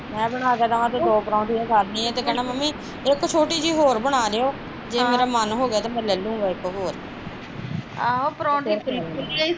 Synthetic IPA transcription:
mɛ̃ːbəɽ̃aːkɛːt̪aʋãːt̪eːd̪oːpɾɔ̃ːɳʈiːɛ̃ːsalnĩːɛ̃ːt̪eːkɛːnaːməmĩː | ɪkt͡ʃʰoːʈiːd͡ʒiːɦoːɾbəɽ̃aːɾeːoː | d͡ʒeːmeːɾaːmənɦoːɡejaːt̪aːmɛ̃ːlɛːlũːɡaːɪkɦoːɾ | aoːpəɾɔ̃ːɳʈiːbɪlkʊliaːiː

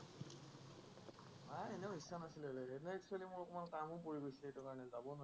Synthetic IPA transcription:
maenɛʊɦisanasilleenɔɛkswalimʊɹɔkɔmankamʊkoɹiɡojsɛetʊkaɹɔnɛzabɔn

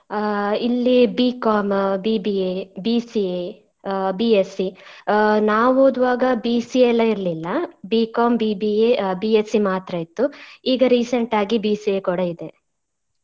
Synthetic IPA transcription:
ilːibiːkaːmbiːbiebiːsie | biːesi | naːʋoːd̪ʋaːɡɐbiːsiɛlːɐiɾlilːɐbiːkaːmbiːbiebiesimaːt̪ɾɐit̪ːuiːɡɐɾiːseɳʈaːɡibiːsiekɔɽɐid̪e

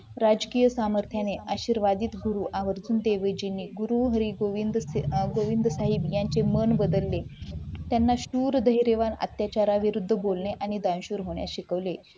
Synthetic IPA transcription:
ɾad͡zkiːjəsaməɾt̪ʰjaneʔaɕiːɾʋad̪iːt̪ɡuɾuʔaʋəɾd͡zuːnd̪eʋəjd͡ʑinːiːɡuɾuɦəɾiɡoʋind̪ɡoʋind̪ʱsaɦibjaɲt͡semənbəd̪əlːet̪janːaɕuːɾd̪əɦjiɾeʋana̰t̪jat͡ɕaɾaʋiɾud̪ʱːəbolneʔaɽ̃id̪ãnɕuːɾɦoɳja̰ɕikəʋle

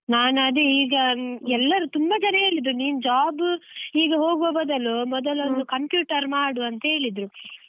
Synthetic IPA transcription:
naːnɐd̪eiːɡɐɛlːɐɾut̪umbɐt͡ʃɐnɐɦeːɭid̪ɾuniːnd͡ʒaːbiːɡɐɦo̞ːɡoːbɐd̪ɐlːumɔd̪ɐlond̪ukɐmpjuːʈɐɾmaːɽuɐnt̪ɐɦe̞ːɭid̪ɾu

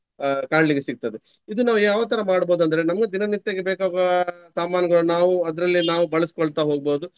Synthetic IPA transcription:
kaːɳliɡesiɡ̚t̪ɐd̪e | id̪unaːʋujaːʋɐt̪̬ɐɾɐmaːɽboːd̪uɐnd̪ɐɾe̞nɐmɐɡed̪inɐnit̪ːeːɡebeːkaːɡɐsaːmaːnjɐɡɐɭunaːʋuɐd̪ɾɐlːinaːʋubɐɭɐsi̥koɭt̪aɦo̞ːɡ̚bo̞ːd̪u

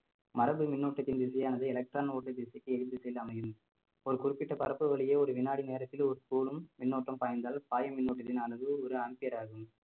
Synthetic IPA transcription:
mɐɾɐbɯmɪnːoːʈːɐt̪ːɪnd̪ɪsɐjaːnɐðɐɪɛlɐk̚ʈɾaːnoːʈːɐd̪ɪsɐɪkːɯɛɻɯd̪ɯsɛlɐmɐjɯm | ɔɾɯkʊrɪpːɪʈːɐpɐɾɐpːɯʋɐɭɪjeːɔɾɯʋɪnːaːɽineːɾɐt̪ːɪlɔɾɯt̪uːlɯmːɪnːoːʈrɐmpaːjɐnd̪aːlpaːjɐmɪnːoːʈːɐt̪ːɪnaːnɐðɯɔɾɯɐmpɪjɐɾaːɣɯm

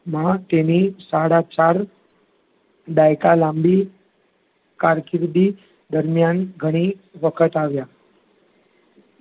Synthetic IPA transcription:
mãt̪enisaɽat͡ʃaɾ | d̪ajkalãmbi | kaɾkɪɾd̪i | d̪əɾmjanɡʱəɽ̃iʋəkʰət̪aʋja

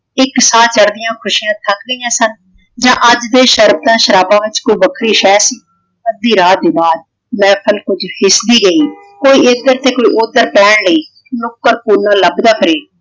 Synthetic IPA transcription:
ɪksãːt͡ʃəɾd̪ɪjãːkʰʊʃijãːt̪ʰəkɡəijãːsən | d͡ʒãːʔəd͡ʒd̪eːʃəɾbt̪ãːʃəɾaːbãːʋɪt͡ʃkoiːbəkʰɾiːʃɛːsiː | məd̪iːɾaːd̪eːbaːd̪̚ | mɛ̃ːpʰəlkʊd͡ʒhɪsd̪iːɡəiː | koːiːɪsɡ̪əɾt̪eːkoːiːʔʊd̪əɾpɛːɳləiː | nʊkːəɾpuɾnãːləbd̪aːpʰəɾeː

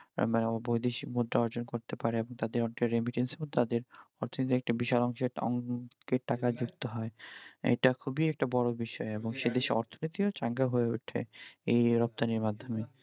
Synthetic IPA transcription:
manboid̪eʃikmod̪ɾaɔɾd͡ʑonkoɾt̪epaɾeeboŋt̪ad̪eɾɔneʈeɾemiʈenseɾmod̪ʱt̪ad̪eɾɔɾt̪ʰonit̪iɛk̚ʈabiʃalɔŋʃeɔ̰ŋkeɾʈakad͡ʑukt̪oɦɔeḛʈakʰubiɛk̚ʈabɔɽobiʃɔeeboŋʃed̪eʃeɔ̰ɾt̪ʰonit̪iot͡ɕaŋɡaɦoeṵʈʰḛejɾɔp̚t̪aniɾmad̪ʱːome

